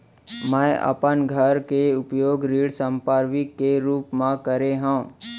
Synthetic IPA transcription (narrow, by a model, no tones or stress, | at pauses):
mɛ̃ʔə̰pənɡʱəɾkeʊpjoːɡɾiːɽsə̃mpaːɾʋɪkːeɾuːpmãkəɾeɦã